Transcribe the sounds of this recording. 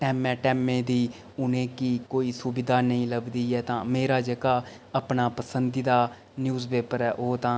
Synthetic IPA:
ʈɛːmɛ̃ːʈɛːmẽːd̪iː | ʊnẽːkiːkoːiːsʊbɪd̪aːnəĩːləbd̪iːɛːt̪ãːmeːɾaːd͡ʒəɡaː | əpnaːpəsənd̪iːd̪aː | njuːzpeːpəɾɛːʔoːt̪ãː

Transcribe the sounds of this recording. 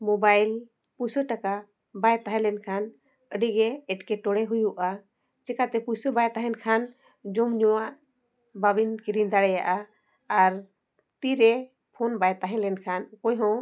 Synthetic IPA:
mɔbajl | pusəʈaka | bajt̪aɦɛ̃lɛnkʰan | əɖiɡɛːʈkɛʈɔɽɛɦujuʔa | t͡ʃɛkat̪ɛpusəbajt̪aɦɛnkʰan | d͡ʒɔmɲɔwaʔ | babinkiɾind̪aɽɛja̰ʔaː | ɾ | t̪iɾɛ | pʰɔnbajt̪aɦɛ̃lɛnkʰankɔjɦɔ̃

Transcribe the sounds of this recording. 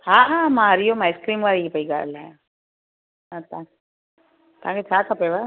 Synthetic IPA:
hãːɦãːmãɾijomaːɪskɾiːmʋaːɾiipəiɡa̰laja | ɦãt̪ã | t̪ãːket͡ʃʰaːk̪ʰapeʋa

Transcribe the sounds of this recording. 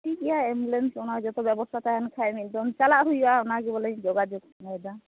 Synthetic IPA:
ʈikɛjaemlensɔnad͡ʒɔt̪ɔbɛbɔst̪ʰat̪aɦankʰajmid̪ɔnt͡ʃalaʔɦujbaɔnaɡibɔlɛd͡ʒɔɡad͡ʒɔɡnɔjd̪a

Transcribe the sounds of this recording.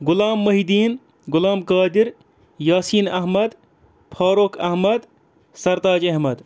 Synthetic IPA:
ɡʊlaːmːɐɦid̪iːn | ɡʊlaːmkaːd̪iɾ | jaːsiːnɐɦmɐd̪ | pʰaːɾokʰɐɦmɐd̪ | sɐɾt̪aːd͡ʒɐɦmɐd̪

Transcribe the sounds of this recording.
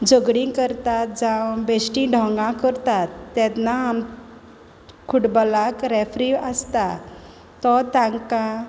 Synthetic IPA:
d͡zəɡɽĩkəɾt̪at̪̚d͡zãwbesʈĩɖʱɔ̃ŋɡãkəɾt̪at̪ːɛt̪naːm | kʰuʈbɔlakɾɛfɾiəst̪a | t̪ɔt̪ãŋkã

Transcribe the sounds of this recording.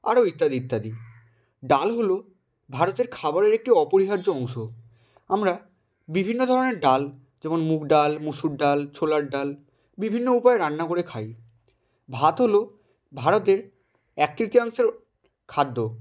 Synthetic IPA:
a̰ɾoit̪ːad̪iit̪ːad̪i | ɖalɦolo | bʱaɾot̪eɾkʰabaɾeɾek̚ʈiɔpoɾiɦaɾd͡ʑoɔŋʃo | amɾa | bibʱinːod̪ʱɔɾoneɾɖal | d͡ʑɛmonmukʰɖalmuʃuɖɖalt͡ɕʰolaɾɖal | bibʱinːoupaeɾanːakoɾekʰaj | bʱat̪ɦolo | bʱaɾot̪̬eɾ | ɛk̚t̪ɾit̪iaŋʃeɾ | kʰad̪ːo

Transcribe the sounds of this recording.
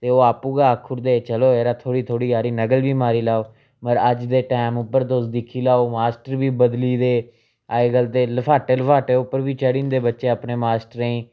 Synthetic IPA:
t̪eːoːaːpuːɡaːəkʰːʊɾd̪eːt͡ʃəloːeːɾaːt̪ʰoːɽiːt̪ʰoːɽiːaːɾiːnəɡəlʋiːmaːɾiːlaːoː | məɾəd͡ʒd̪eːʈaːmʊpːəɾt̪osd̪ɪkʰːiːlaːoːmaːsʈəɾbiːbəd̪liːd̪eː | aːeɡəlt̪eːləpʰaːʈeːləpʰaːʈeːʊpːəɾbiːt͡ʃəɽiːnd̪eːbətːʃeːəpneːmaːsʈəɾəĩː

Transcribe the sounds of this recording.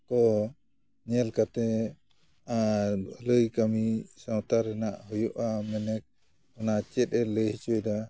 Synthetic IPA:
kɔ | ɲɛlkat̪ɛ | ləjkamisawt̪aɾɛnaʔhɔjɔʔamɛnɛk̚ | ɔnat͡ʃɛt̪̚ˀɛləht͡ʃɔjda

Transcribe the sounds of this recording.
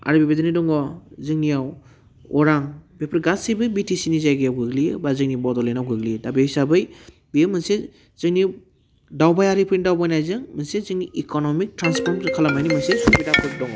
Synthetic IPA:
a̰ɾɯbibedɯnidɔŋɡɔzɯŋnijaw | ɔɾaŋbepʰiɾɡasibɯbitisinizajɡɯjawɡɯɡlibazɯŋnibɔdɔlenawɡɯɡlidabesabɯj | bijɯmɯnse | z̥ɯŋni | dawbajaɾipʰɯjnidawbajnajzɯŋmɯnsezɯŋniʔikɔnɔmik̚tɾanspʰɔɾmzɯkʰalamajnimɯnsesubidapʰɯdɔŋɡɔ

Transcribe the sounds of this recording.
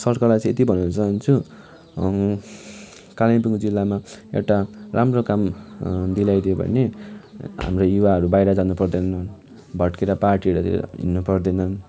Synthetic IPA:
sʌrkʌrlajt͡sʌ̃et̪ibʱʌnut͡sʌnt͡sʰu | kalajpuŋd͡zilːamaḛwʈaramrokamd̪ilajd̪iobʱʌ̰ne | ɦa̰mrojuwaʌɾubajɾad͡zanupʌrd̪enʌn | bʱʌʈkeɾaparʈiʌɾut̪ḭnːupʌrd̪enʌn

